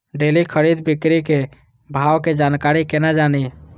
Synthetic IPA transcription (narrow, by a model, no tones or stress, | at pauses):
ɖelikʰəɾid̪bikɾike | bʱawked͡ʒankaɾikenad͡ʒani